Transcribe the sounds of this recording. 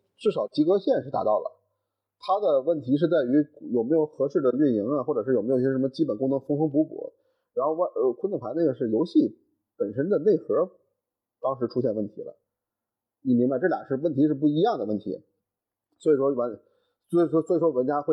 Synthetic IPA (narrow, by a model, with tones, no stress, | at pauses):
ʈ͡ʂɻ̩˥˩ʂɑ˨˩ʊt͡ɕi˧˥kɤ˥ɕjɛ˥˧nʂɻ̩˥˩t̪a̰˧˥t̪ɑ˥˩ʊlə̰˩ | t̪ʰa˥d̪ə˨wə˥˩nt̪ʰi˧˥ʂ̬ɻ̩˥˧t͡sa˥˩ɪy˧˥jo˨˩ʊme˧˥ɪjo˧˩ʊxɤ˧˥ʂɻ̩˥˩d̪ə˩y˥˩nji˧˥ŋa˧xwɔ˥˩ʈ͡ʂɤ˨˩ʂɻ̩˥˩o˨˩m˧˥jjɛ˥ʂmə˧t͡ɕi˥p̬ə˨˩nkʊ˥ŋnɤ˧˥ŋfʊ˥ŋxɤ˥ŋp̬u˧˥pṵ˨˧˩ | ɻa˧˥nxo˥˧ʊa˥˧kʰə˥nʊ˥˩ŋpʰa˧˥ne˥˩ɡə˧˩ʂɻ̩˥˩jo˧˥ʊɕi˥˩ | pə˨˩nʂə˥nd̪ə˨ne˥˩ɪxɤ˧˥ | t̪ɑ˥ŋʂɻ̩˧˥ʈ͡ʂʰu˥ɕ̬jɛ˥˧nwə˥˩nt̪ʰḭ˧˥lə̰˧ | ni˨˩mi˧˥ŋba˧ɪʈ͡ʂɤ˥˩ja̰˨˩ŋʂɻ̩˥˧wə˥˩nt̪ʰi˧˥ʂɻ̩˥˧p̬u˥˩i˧˥jɑ˥˩ŋd̪ə˩wə˥˩nt̪ʰḭ˧˥ | swɔ˧˥i˨˩ʂwɔ˥˩ə˧˥n | swɔ˧˥˨ɔ˥˩swɔ˧˥i˨˩ʂwɔ˥wə˧˥nt͡ɕja˥xwe˥˩ɪ